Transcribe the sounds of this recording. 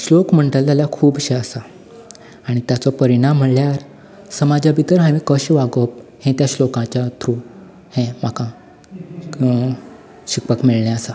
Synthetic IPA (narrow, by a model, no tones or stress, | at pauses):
ɕlokm̤əɳʈəlaljakʰuːbɕeəsa | aɽ̃it̪jat͡sɔpəɾiɽ̃am̤ːəɳljaɾ | səmad͡ʑʱabʱit̪əɾɦãʋĩkəɕʋaɡəp̚hẽt̪jaɕlokãt͡ɕjat̪ʰɾu | hẽm̤akã | ɕik̚pəkmiɭɳjaəsa